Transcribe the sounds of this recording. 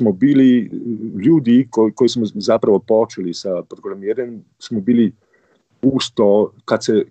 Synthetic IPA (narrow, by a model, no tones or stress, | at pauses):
smɔbiːliluːd̪ikokoːjsmɔzapɾaʋɔpɔːt͡ʃɛlisapɾɔɡɾamiːɾjɛm | smɔbiːli | uːst̪ɔkat̪sɛ